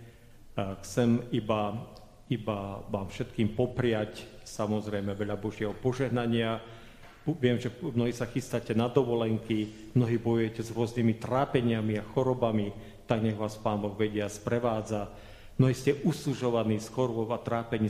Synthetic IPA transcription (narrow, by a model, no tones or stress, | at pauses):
xt͡sɛmiba | ibaʋaːmfʃɛt̪kiːmpɔpɾɪac | samɔzɾɛjmɛʋɛʎabɔʒɪɛɦɔpɔʒɛɦnaɲɪa | ʋɪɛmʒɛmnɔɦiːsaxist̪acɛnad̪ɔʋɔlɛŋki | mnɔɦiːbɔjujɛcɛzɾʊɔznimit̪ɾaːpɛɲɪamiaxɔɾɔbami | t̪aɡɲɛɣʋaːspaːnbɔɣʋɛɟɪaspɾɛʋaːd͡za | mnɔɦiːscɛʔusuʒɔʋaniːsxɔɾbɔat̪ɾaːpɛɲi